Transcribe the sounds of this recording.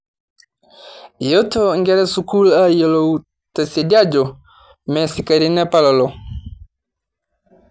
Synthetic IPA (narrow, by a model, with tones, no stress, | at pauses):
jɔ˦tɔ˦ŋɡɛ˦ɾɛ˦su˨ku˦la˦jɔ˨lɔ˨u˨ | tɛ˨se˨di˦a˦d͡ʒɔ˨ | mɛ˨si˨ka˨ɾi˦nɛ˦pa˦lɔ˨lɔ˨